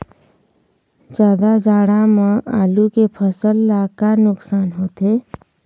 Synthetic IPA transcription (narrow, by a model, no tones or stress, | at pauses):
d͡ʒaːd̪ad͡ʒaːɽamãa̰ːlukepʰəsəlːaːkanʊksaːnɦoːt̪e